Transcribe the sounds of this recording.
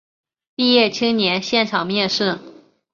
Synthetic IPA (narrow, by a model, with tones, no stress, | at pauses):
pi˥˧jɛ˥˩t͡ɕʰi˥ŋnjɛ˧˥nɕjɛ˥˩nʈ͡ʂʰɑ˨˩ŋmjɛ˥˧nʂɻ̩˥˩